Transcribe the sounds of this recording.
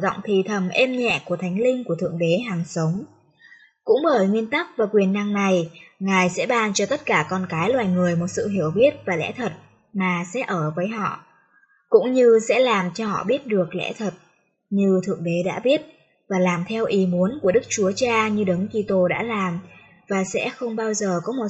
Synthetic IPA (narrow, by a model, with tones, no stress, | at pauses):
zɔ̰˧˨wŋ͡mt̪ʰi˨˩t̪ʰə˨˩mʔɛ˧mɲɛ̰˧˨ku˧˩ət̪ʰa˨˦jŋ̟lï˧ŋ̟ku˧˩ət̪ʰɨ̰˧˨əŋɗe˨˦ɦaː˨˩ŋsə˨˦wŋ͡m | kʊ̰˧˥ŋ͡mɓəː˧˩jŋwi˧ənt̪a˦˥k̚vaː˨˩kwi˨˩ənːa˧ŋna˨˩jŋaː˨˩jsɛ̰˧˥ɓaː˧nt͡ɕɔ˧t̪ə˦˥t̚kaː˧˩kɔ˧nkaː˨˦jlwaː˨˩jŋɨ˨˩əjmo˨˩t̚sɨ̰˧˨ɦi˧˩əwɓi˦˥ət̚vaː˨˩lɛ̰˧˥t̪ʰə˨˩t̚ | maː˨˩sɛ̰˧˥ʔəː˧˩vəː˨˦jɦɔ̰˧˨ | kʊ̰˧˥ŋ͡mɲɨ˧sɛ̰˧˥laː˨˩mt͡ɕɔ˧hɔ̰˧˨ɓi˦˥ət̚ɗɨ˨˩ək̚lɛ̰˧˥t̪ʰə˨˩t̚ | ɲɨ˧t̪ʰɨ̰˧˨əŋɗe˨˦ɗa̰ː˧˥ɓi˦˥ət̚ | vaː˨˩laː˨˩mt̪ʰɛ˧wʔi˨˦mu˨˦ənku˧˩əɗɨ˦˥k̚t͡ɕu˨˦ət͡ɕaː˧ɲɨ˧ɗə˨˦ŋki˧t̪o˧ɗa̰ː˧˥laː˨˩m | vaː˨˩sɛ̰˧˥xə˧wŋ͡mɓaː˧wzəː˨˩kɔ˨˦mo˨˩